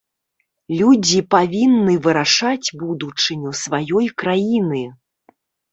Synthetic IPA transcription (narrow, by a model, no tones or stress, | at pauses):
lʲud͡zʲipavʲinːɨvɨɾaʂad͡zʲbud̪ut͡ʂɨnʲusvajɔjkɾajinɨ